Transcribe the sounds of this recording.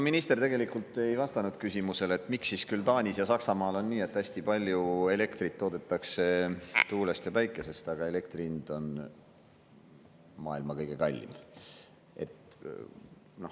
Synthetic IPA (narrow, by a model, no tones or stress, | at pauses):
ominist̪e̞rt̪e̞ɡe̞likˑult̪ːˑe̞jvɑst̪ɑnud̪̥kysimuse̞let̪ːˑmiksːiskylt̪ɑːnʲisjɑsɑksɑmɑːlo̞nːiːe̞t̪ːˑæsʲt̪ipɑlʲjue̞le̞kt̪rit̪ːoːd̪̥e̞t̪ˑːɑkse̞t̪uːlest̪jɑpæjkːˑe̞se̞st̪ɑɡ̥ɑele̞kt̪rind̪̥o̞n | mɑːilmɑkɤjɡ̥e̞kɑlʲːḭm | ʔe̞̰t̪ | no̞